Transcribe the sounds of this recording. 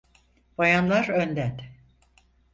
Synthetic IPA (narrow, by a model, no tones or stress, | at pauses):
bajanlˠaɾønd̪ɛt̪